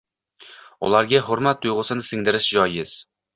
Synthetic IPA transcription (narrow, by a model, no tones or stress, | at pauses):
ʊ̰lˠaɾɡʲaɦʊɾmat̪ʰːʊjʁʊsɪnɪsɪŋd̪ɪɾɪʃd͡ʒɒjɪz̥